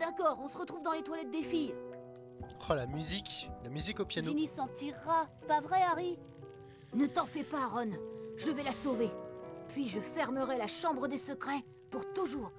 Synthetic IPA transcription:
d̪akɔʁɔ̃səʁət̪χuvd̪ɑ̃let̪walɛt̪̚d̪efij | ʁalamyziklamyzikopjanonisɑ̃t̪iʁːapavʁɛaʁi | nət̪ɑ̃fɛpaʁɔnʒəvɛlasovepɥiʒəfɛʁməʁɛlaʃɑ̃bʁəd̪esəkχɛ | puʁt̪uʒuːʁ

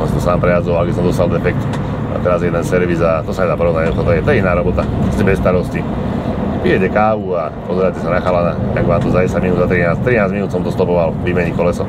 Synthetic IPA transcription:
ɔmsat̪ɔsaːmpɾɛjad͡zɔlaɡbis̬ɔmd̪ɔst̪ald̪ɛfɛk̚t̪ | a̰t̪ɛɾazjɛd̪ɛnsɛɾʋizat̪ɔsaɲɛd̪aːpɔɾɔvnaɲɛut̪ɔt̪ɔjɛt̪ɔɛinaːɾɔbɔt̪aɾɔscɛbɛsːt̪aɾɔsci | pijɛɛkaːʋua | pɔzɛɾacɛsanaxalanat̪aɡʋaːmt̪ɔzaɟɛsaɟminuːd̪zat̪ɾinaːst̪ɾinaːzminuːsɔmt̪ɔst̪ɔpɔʋalʋimɛɲikɔlɛsɔ

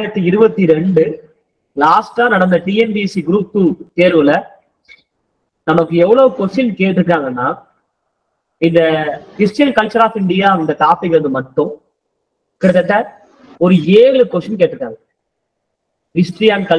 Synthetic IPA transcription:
ɪɾɐt̪ːiɪɾɯbɐt̪ːiɾɛɳɖɯ | laːsʈaːnɐɽɐnd̪ɐʈiːɛmb̪isiɡɪɾuːp̚t̪ːuːt̪eːɾʋɯlɐ | nɐmɐkːɯɛʋːɐɭoːkɔʂɪnkeːʈːɾɯkːɾaːŋɡɐnːaː | ɪnd̪ɐkɪsʈɐnkɐlt͡ʃːɐɾaːfɪɳɖɪjaːɪnd̪ɐt̪aːfɪkːɐɭɯnd̪ɯmɐʈːʊ̃ | kɪɽɐt̪ːɐt̪ːɐ | ɔɾɯeːɭɯkːɔʂɐnkeːʈːɾɯkːaːŋɡɐ | hɪsʈɾɪjaːnkɐ

